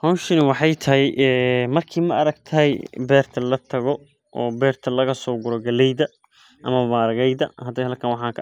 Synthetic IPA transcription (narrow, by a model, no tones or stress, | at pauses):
hɔnʃɪnɪwɑħɑjt̪ʰɐɦɛjʔɛːmɐrkʰiːmɐɐɾɐɡt̪ʰɐɦɛjbɛːrt̪ʰɐlɐt̪ʰɐɣɔ | ʔɔ̰ːbɛːrt̪ʰɐlɐɣɐsɔːɡʊɾɔɡɐlɛjðɐ | ʔɐmɐmaːɾɐɣɛjðɐ̰hɐd̪ɛjhɐlkʰɐnwɑħɑ̃ːŋkʰɐ